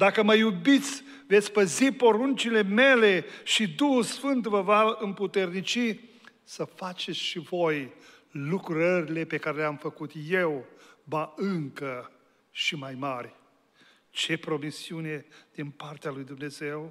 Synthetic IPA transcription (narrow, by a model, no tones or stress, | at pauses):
d̪akəməjubit̪sʲ | ve̞t̪sʲpəzipo̞ɾunt͡ʃile̞me̞le̞ʃid̪uhulsfɨnt̪vəvaɨmput̪e̞rnit͡ʃi | səfat͡ʃe̞t̪sʲʃivo̞j | lukɾəɾile̞pe̞kaɾe̞leamfəkut̪jewbaɨŋkə | ʃimajmarʲ | t͡ʃe̞pɾo̞misiune̞d̪̥inpart̪ealujd̪umne̞ze̞w